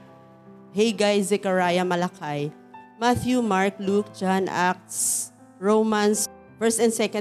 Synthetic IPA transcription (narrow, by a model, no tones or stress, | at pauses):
hɛjɡajzɛkɐɹaːjɐmɐlɐkʰaj | maθjumaɹk̚luk̚d͡ʒanʔak̚t̪s | ɹowmans | fɛɹst̪ɛnd̪sɛkɐ̃